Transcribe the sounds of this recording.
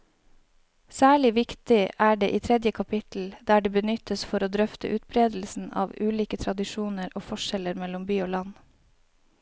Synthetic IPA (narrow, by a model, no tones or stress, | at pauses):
sæːɭɪʋɪkt̪ɪʔæːɖeːʔiːt̪ʰɾɛd̪jəkʰɑpʰɪt̪l̩d̪æːɖeːbənʏt̪əsfɔɾoːd̪ɾœft̪ə̰ʔʉːt̪̚bɾeːd̪l̩sn̩ɑ̰ːʋʉːliːkət̪ʰɾɑd̪ɪʃuːnəɾʔoːfɔʃɛləɾmɛlʊmbyːoːlɑn